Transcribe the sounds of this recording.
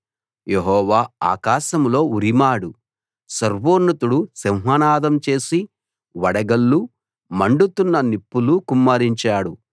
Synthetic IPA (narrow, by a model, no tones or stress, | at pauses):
jeɦɔːʋaːa̰ːkaːʃɐmlo̞ːuɾimaːɽu | sɐɾʋoːɾnːɐt̪uɽusemɦɐnaːd̪ɐmt͡ʃe̞ːsi | ʋɐɽɐɡɐlːu | mɐɳɖut̪unːɐnipːulukumːaɾiɲt͡ʃaːɽu